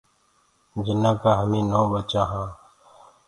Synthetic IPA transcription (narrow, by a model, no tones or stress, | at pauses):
d͡ʒɪnãːkaːɦəmĩːnõːbət͡ʃãːɦãː